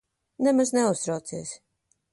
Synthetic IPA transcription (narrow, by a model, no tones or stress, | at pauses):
nɛmaznɛust̪ɾawt̪siɛs